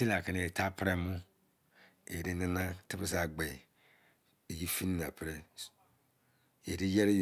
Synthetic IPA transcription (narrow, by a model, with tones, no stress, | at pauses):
i˦la˨kʰa˨ne˨tʰa˦pʰɾɛ˦mʊ̃˦ | e˨ɾi˦nɪ̃˦nã˦tʰɪ˦bɪ˦s̬a˨ɡ͡bɛ˨ | e˨ji˦fi˦n˦nã˨pʰɾɛ˦ | e˨ɾi˦jɛ˦ɾ